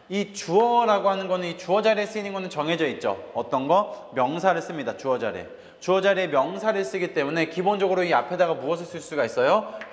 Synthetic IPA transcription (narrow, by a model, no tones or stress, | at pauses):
it͡ɕuʌɾaɡoɦanɯnɡʌnɯnit͡ɕuʌd͡ʑaɾies͈ɯinɯnɡʌnɯnt͡ɕʌŋɦe̞d͡ʑʌit̚t͡ɕ͈o̰ʌt͈ʌnɡʌmjʌŋsʰaɾɯɭs͈ɯmɲidat͡ɕuʌd͡ʑa̰ɾḭḛ | t͡ɕuʌd͡ʑaɾiemjʌŋsʰaɾɯɭs͈ɯɡit͈e̞mune̞kibond͡ʑʌɡɯɾoiapʰe̞daɡamuʌsʰɯɭs͈ɯɭs͈uɡais͈ʌjo